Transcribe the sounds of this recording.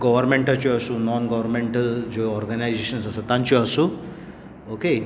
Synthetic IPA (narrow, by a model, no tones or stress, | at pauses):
ɡɔʋɐɾmẽɳʈɐt͡ʃuɐsunɔːnɡɔʋɐɾmẽɳʈɐld͡ʒoɔːɾɡɐnajzeːʃɐnsɐsɐt̪ãnt͡ʃuɐsu | oːke